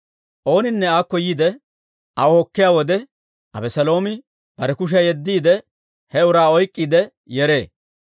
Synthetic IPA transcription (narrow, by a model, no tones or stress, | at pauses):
ʔo̞ːnɪnːɛaːkːɔjiːd̪ɛ | ʔɐwɔhɔkːɪjaːwɔd̪ɛ | ʔɐ̰bɛsɐlo̞ːmɪ | b̥ɐɾɛkʊʃ̬ɐjɛd̪ːiːd̪ɛ | hɛʊɾaːɔjkʼːiːd̪ɛ | jɛɾe̞ː